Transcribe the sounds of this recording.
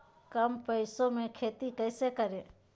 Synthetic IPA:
kəmpəjsomẽkʰet̪ikəjsekəɾe

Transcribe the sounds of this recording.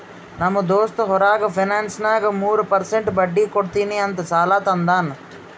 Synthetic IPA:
nɐmːɐd̪oːst̪ɐɦɔɾaːɡɐpʰinaːnsnaːɡɐmuːɾupɐɾseɳʈbɐɖːiːkoɽt̪iːniɐnt̪ɐsaːlaːt̪ɐnd̪aːn

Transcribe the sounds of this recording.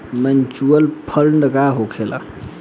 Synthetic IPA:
mɛnt͡ʃuəlpʰəlnəɡaɦokʰela̰

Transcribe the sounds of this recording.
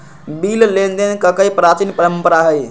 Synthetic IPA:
billend̪enkəkəjpɾat͡ʃinpəɾəmpəɾaɦəj

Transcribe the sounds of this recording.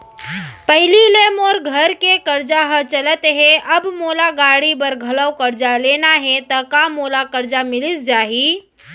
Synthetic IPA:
pɐɦɪlileːmoːɾɡʱɐɾkekɐɾd͡ʒaɦət͡ʃɐlət̪ɦɛʔɐbmoːlaɡaːɽibɐɾɡʱɐləwkɐɾd͡ʒaleːnaɦɛt̪ɐkamoːlakɐɾd͡ʒamɪlɪsd͡ʒaːɦiː

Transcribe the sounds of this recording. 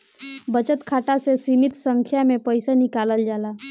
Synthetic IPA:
bət͡ʃət̪kʰaʈasesimit̪səŋkʰjamepəjsenikaləld͡ʒala

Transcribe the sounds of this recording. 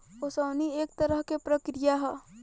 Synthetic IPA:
osəːnieːk̚t̪ɐɾəɦkepɾɐkɾijaɦɛ

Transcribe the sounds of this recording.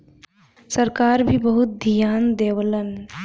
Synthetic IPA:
səɾkaːɾbʱibəɦʊt̪̚d̪ʱijaːnd̪eːwələn

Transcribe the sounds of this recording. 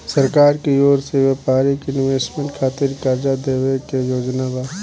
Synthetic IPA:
səɾkaːɾkeoːɾseʋɛpaːɾikɪnʋeːsʈmẽɳʈkʰaːt̪ɪɾkaɾd͡ʒad̪eːʋekejoːd͡ʒnabaː

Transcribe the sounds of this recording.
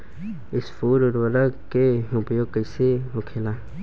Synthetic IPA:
ɪsfuːɾɔɾwəɾəɡkeʊpjoːɡ̚kəɪseɦʊkʰelaː

